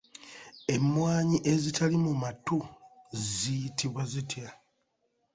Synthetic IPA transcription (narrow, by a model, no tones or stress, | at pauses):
e̞mːwaːɲiʔe̞zitʰalimumatuzijitʰiβwazitja